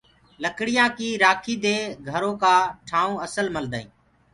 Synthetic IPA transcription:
ləkɽɪjãːkiːɾaːkʰiːd̪eːɡʱəɾõːkaːʈʰãːəsəlməld̪aːḭ̃ː

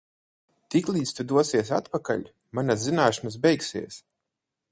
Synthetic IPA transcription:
t̪iklˠiːt̪st̪ud̪uɔsiɛs̬at̪paka̰lʎʲ | manaszinaːʃanas̬bɛjksḭɛs

